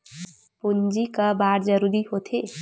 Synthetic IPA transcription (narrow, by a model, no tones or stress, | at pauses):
pund͡ʒikəbaɾd͡ʒəɾuɾihot̪ʰe